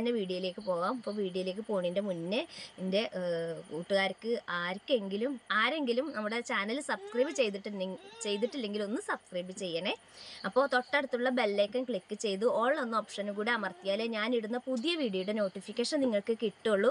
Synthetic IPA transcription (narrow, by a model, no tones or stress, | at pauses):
ɐnːeʋiːɽjoile̞ːkːɨpo̞ːʋaːmɐpːoːʋiːɽijɐile̞ːkːɨpo̞ːɳinde̞munːɨinde̞uːʈːuɣaːɾɐkːɨʔaːɾkːɨe̞ŋɡilumaːɾe̞ŋɡilumnɐmːuɽe̞t͡ɕaːnɐlsɐbskriːbɨt͡ɕe̞jt̪̬iʈːt͡ɕe̞jt̪̬iʈːilːe̞ŋɡilo̞nːɨsɐb̥skriːbɨt͡ɕe̞jːɐɳe | ɐpːo̞ːt̪o̞ʈːeɽut̪ːuɭːɐbe̞lːe̞ːkːɐnkɭikːɨt͡ɕe̞jt̪uoːɭːonːoːpʂɐnukuːɽiɐmɐrt̪ijaːleɲaːniɽunːɐpuðijɐʋiːɽijojuɽeno̞ːʈːifikʲːeːʂɐnniŋːɐɭkɨkiʈːoɭːu